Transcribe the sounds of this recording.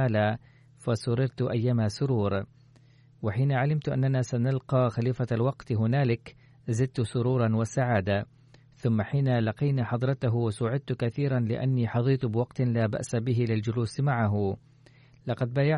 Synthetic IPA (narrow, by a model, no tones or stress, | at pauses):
aːla | fasʊɾɪɾt̪ʔajːaːmasʊɾuːɾ | wɪħiːnaʕalɪmt̪ʔa̰nːanaːsanalqɑːxaliːfalwɑqt̪ɦʊnaːlɪk | zɪd̪̚t̪ʊsʊɾuːɾˤɑwɪsaʕaːd̪a | θʊmːaħiːnalɑqijnaːħɑd̪ˤɾˤɑt̪aɦwɪsʊʕɪd̪̚t̪kaθiːɾˤanlɪ̰ʔa̰nːiːħɑðˤiːt̪bɪwɑqt̪laːba̰ʔsabɪɦɪlɪld͡ʒʊluːsmaʕaɦʊ | lɑqɑd̪̚baːjaʕ